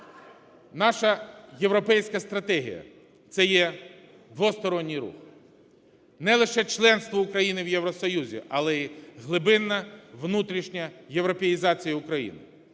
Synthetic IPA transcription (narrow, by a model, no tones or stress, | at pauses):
nɑʃɐjeʋɾɔpɛjsʲkɐst̪ɾɐt̪ɛɦʲḭjɐ̰ | t̪sɛjɛ | d̪ʋɔst̪ɔɾɔnʲːijɾṵx | nɛlˠɪʃɛt͡ʃlˠɛnst̪ʋɔʊkɾɐjinɪwjeʋɾɔsɔjuzʲḭʔɐlˠɛiɦlˠɪbɪnːɐʋnut̪ɾʲiʃnʲɐjeʋɾɔpejizɑt͡sʲijɐʊkɾɐjḭnɪ̰